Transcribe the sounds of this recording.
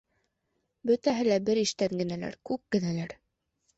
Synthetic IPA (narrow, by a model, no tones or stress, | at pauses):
bɵt̪æɦɘlæbɘɾiʃt̪æŋɡɘ̆nælæ̰ɾkʉk̚kɘ̆nælæɾ